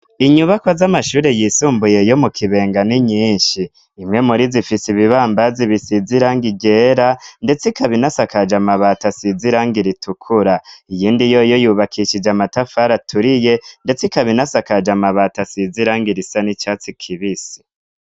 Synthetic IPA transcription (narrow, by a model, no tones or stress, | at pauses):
iɲuβakwazamaʃuːɾejisuːmbuje̞jo̞mukʰiβe̞ːŋɡaniɲiːnʃiː | mŋe̞muɾizifisiβiβaːmbaziβisiziɾaːŋɡiɡe̞ːɾande̞t͡sikaβinasakad͡ʒamaβatasiziɾaːŋɡiɾitukʰuɾaijiːndijo̞jo̞juːβakʰiʃid͡ʒamatafaɾatʰuɾije̞nde̞t͡sikaβinasakad͡ʒamaβatasiziɾaːŋɡiɾisanit͡ʃat͡sikʰiβisi̥